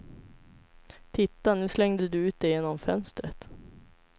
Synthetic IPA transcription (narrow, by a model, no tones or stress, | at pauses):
t̪ʰɪt̪ːanʉ̟ːslɛŋd̪əd̪ɵʉ̟ːt̪̚d̪ɛjeːnɔmfœnst̪ɾət̪